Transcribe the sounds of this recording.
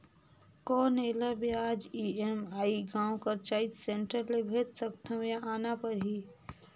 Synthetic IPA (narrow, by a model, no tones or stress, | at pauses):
kɔːneːlabiaːd͡ʒiemaːiɡãːwkɐɾt͡ʃaːit̪sẽɳʈəɾlebʱeːt̪sək̚t̪ʰɐ̃jaʔaːnapɐɾɦiː